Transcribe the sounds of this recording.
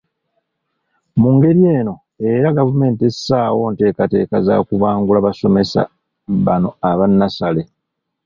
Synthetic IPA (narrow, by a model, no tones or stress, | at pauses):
muŋɡe̞ɾje̞ːno̞ | e̞ɾaɡavume̞ːntesaːwo̞ːnte̞ːkate̞ːkaza̰ːkuβaːŋɡulaβaso̞me̞sa̰ | βano̞aβanːasale̞